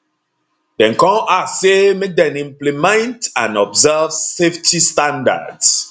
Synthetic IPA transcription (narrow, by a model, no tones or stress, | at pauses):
dɛ̃nkɔ̃masemek̚dɛ̃nĩmplimɛ̃ntãnɔbzɛvseftʰistãnda̰ds